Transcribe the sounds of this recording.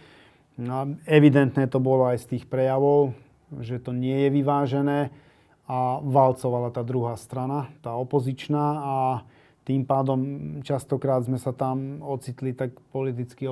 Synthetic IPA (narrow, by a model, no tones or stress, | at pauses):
ɛʋid̪ɛnt̪nɛːt̪ɔbɔlɔajst̪iːxpɾɛjaʋɔʊ | ʒɛt̪ɔɲɪɛjɛʋiʋaːʒɛnɛː | aʋalt͡sɔʋalat̪aːd̪ɾuɦaːst̪ɾanat̪aːɔpɔzit͡ʃnaː | t̪iːmpaːd̪ɔmt͡ʃast̪ɔkɾaːd̪zmɛsat̪amɔt͡sit̪lit̪akpɔlit̪̬it͡ski